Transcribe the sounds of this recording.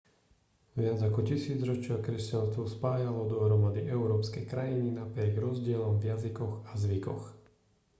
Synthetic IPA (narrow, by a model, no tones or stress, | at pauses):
ʋɪad͡zakɔcisiːd͡zɾɔt͡ʃɪɔkɾɛscanst̪ʋɔʊspaːjalɔd̪ɔɦɾɔmad̪iʔɛʊɾɔːpskɛjkɾajininapɛɣɾɔzɟɪɛlɔmvjazikɔɣazʋikɔ̰x